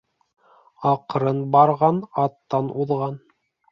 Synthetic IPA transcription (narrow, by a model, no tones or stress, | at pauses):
ɑqɾɤnbɑɾʁɑnɑt̪ːɑnuðʁɑn